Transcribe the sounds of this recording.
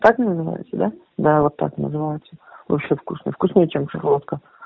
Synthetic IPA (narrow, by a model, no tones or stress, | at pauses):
t̪akɨnəzɨva̰jɪ̰t̪səd̪a | d̪avot̪ːa̰knəzɨvajɪt̪səvo̰pɕefkusnə̰jfkʊsnʲejt͡ɕemʂɨɾˠot̪kə